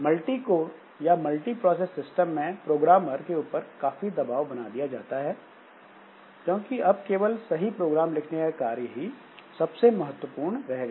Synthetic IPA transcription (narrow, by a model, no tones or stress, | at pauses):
mɐlʈikoːɾ | jamɐlʈipɾɔːs̬esːɪsʈəmːẽpɾoːɡɾaːmɐɾkeuːpəɾkaːfid̪ɐbaːʋbɐnad̪ijad͡ʒa̰ːt̪aɦɛː | d͡ʒõːkiɐb̚keːʋəlsɐɦipɾoːɡɾaːmlɪkʰnekakaːɾjəɦi | sɐbsemɐɦət̪wəpuːɾɳɾɛɦɡaː